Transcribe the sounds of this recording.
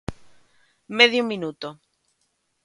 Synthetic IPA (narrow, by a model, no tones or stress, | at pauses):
meðjominut̪o